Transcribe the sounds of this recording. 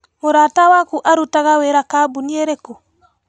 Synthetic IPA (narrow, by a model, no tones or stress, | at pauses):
moɾatawakuʔaɾutaɣaweɾakabunieɾɛku